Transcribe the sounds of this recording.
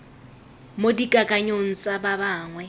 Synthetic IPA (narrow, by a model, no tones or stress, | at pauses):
modikʼakʼaɲon̩t͡sʼababaːŋwɛ